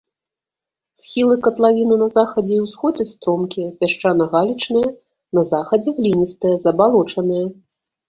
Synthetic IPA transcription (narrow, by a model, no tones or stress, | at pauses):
sʲxʲilˠɨkɐt̪lˠavʲinɨnɐzaxɐd͡zʲɛiwsxɔd͡zʲɛst̪ɾɔmkʲijɐpʲaʂt͡ʂanɐɣalʲit͡ʂnɨjɐ | nɐzaxɐd͡zʲɛvlʲinʲist̪ɨjɐzɐbalˠɔt͡ʂɐn̪ɨjɐ